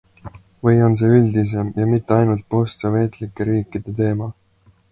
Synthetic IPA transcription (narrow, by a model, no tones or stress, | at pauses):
vɤjo̞ns̬e̞ːyld̪is̬e̞mjɑmit̪ːeɑjnult̪̚po̞st̪sɑve̞ːt̪likːˑeɾiːkːˑid̪̥e̞t̪e̞ːmɑ